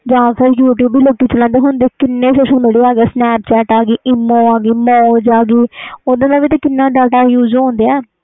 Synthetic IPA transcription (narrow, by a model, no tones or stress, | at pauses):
d͡ʒãːsəɾjuːʈ̬juːbʱiːloːkiːt͡ʃəlãnd̪eːɦʊnd̪eːkɪnːeːsəʃə̃neɽiːaːɡeːsnɛːpt͡ʃɛːʈaːɡiːʔɪmːõːaːɡiːmõːd͡ʒaːɡiːod̪ãːnãːʋiːt̪ẽːkɪnːãːɖaːʈaːjuːd͡ʒõːnd̪eːɛː